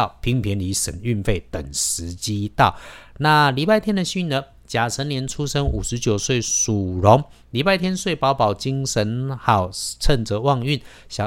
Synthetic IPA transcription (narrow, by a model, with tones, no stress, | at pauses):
ʊpʰi˧˥ŋpʰjɛ˧˦ni˧˥ʂə̰˨˩ny˥˧nfe˥˩ɪt̪ə˨˩ŋʂɻ̩˧˦t͡ɕi˦t̪ɑ˥˨ʊna˥˨li˨˥pa˥ɪt̪ʰjɛ˥nd̪ə˨ɕy˥˩nə˨ | t͡ɕja˨˩t͡sʰə˧˦˥nljɛ˧˥nʈ͡ʂʰu˥ʂə˥ŋu˨˩ʂɻ̩˧˦t͡ɕjo˨˩ʊswe˥˩ɪsu˨˩lo˨˦ŋ | li˨˩pa˥˩ɪt̪ʰjɛ˥nswe˥˩ɪpɑ˧˥ʊpɑ˨˩ʊt͡ɕi˦ŋʂə˧˦nxɑ˨˩ʊt͡sʰə˥˧nt͡sə˧˦wɑ˥˧ŋy˥˨n | ɕja˨˩